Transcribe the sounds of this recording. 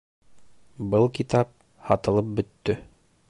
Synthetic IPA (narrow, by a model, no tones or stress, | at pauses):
bɤlˠkit̪ɑp̚ | hɑt̪ɤ̆lˠɤp̚bɵ̆t̪ːɵ